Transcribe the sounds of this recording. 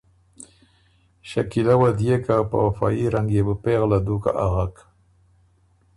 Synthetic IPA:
ʃakilawad̪jekapa̰wafɑ̰iɾaŋɡjebəpeɣlad̪uka̰ʔaɣak

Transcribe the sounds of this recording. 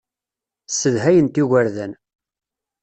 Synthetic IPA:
səðɦæjənt̪iɣæɾðæn

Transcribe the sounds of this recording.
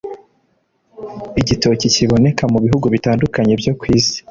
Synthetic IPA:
iɟito̞ciciβo̞ne̞kamuβiɦuɡuβitaːndukaɲe̞bjo̞kwiːzi̥

